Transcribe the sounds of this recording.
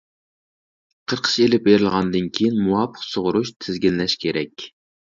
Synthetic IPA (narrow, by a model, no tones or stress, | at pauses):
qʰəɾqʰə̥ʃelɪp̚beɾɪlˠʁɑnd̪ɨnkʲʰijinmuwɑpʰə̥qsoʁʊɾuʃt̪ʰɪzɡʲinlɛʃkʲʰeɾɛkʲ